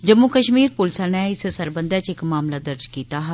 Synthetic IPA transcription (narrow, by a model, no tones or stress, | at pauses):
d͡ʒəmːukəʃmiːɾpʊlsaːnɛːɪssəɾbənd̪jat͡ʃɪkmaːmlaːd̪əɾd͡ʒkiːt̪aːɦɛ